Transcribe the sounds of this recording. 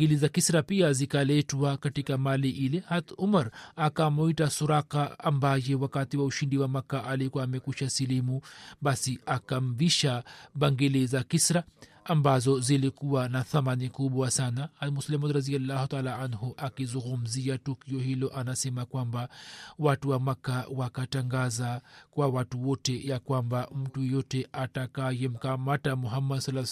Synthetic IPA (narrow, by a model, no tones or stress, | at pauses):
ɡilizakisɾapiazikalɛtwakatikamaliʔilɛhat̪umaɾakamuitasuɾakaambajɛwakatiwauʃindiwamakaʔalikuwaːmɛkuʃasilimuɓasiakam̩viʃaɓaŋɡilizakisɾaː | mbazɔzilikuwanaθamanikuɓwasanamuslimadɾaðialːahutaalaʕanɦuʔakizuŋɡum̩ziatukiɔhilɔʔanasɛmakwambawatuwamakawakataŋɡazakwawatuwɔtɛjakwambam̩tujɛjɔtɛʔatakajɛm̩kamatamuɦamːadsalː